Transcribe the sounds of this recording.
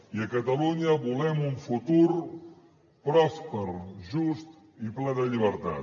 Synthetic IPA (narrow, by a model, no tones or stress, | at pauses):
iəkət̪əluɲəβulɛmuɱfut̪uɾ | pɾɔspəɾʒust̪ | iplɛðəʎiβ̞əɾt̪a̰